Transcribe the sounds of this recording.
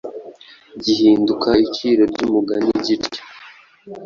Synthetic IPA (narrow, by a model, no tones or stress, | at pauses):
ɟihiːndukaiciːɾoɾɟumuɡaniɟiɾe̥